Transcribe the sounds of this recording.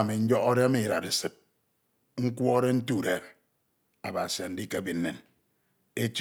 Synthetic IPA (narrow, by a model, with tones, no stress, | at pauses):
me˨ɲ̩˦d͡ʒɔ˦kɔ˦de˦a˦me˦˨ɾa˨ɾe˨sɨ˨t̚ | ŋ̩˦kʷɔ˦ɾe˦n̩˦tu˦˨ɾe˨ɾ | a˨ba˨sa˨n̩˦di˦ke˨bi˨n̩˦ne˨n | e˦t͡ʃ